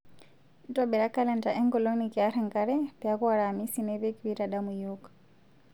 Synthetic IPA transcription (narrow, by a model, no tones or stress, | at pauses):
tɔɓɛɾakalɛntaʔɛŋɡɔlɔnikiaɾɛŋɡaɾɛpɛakwaɾamisinɛβɛkiβiɾaɗamujɔk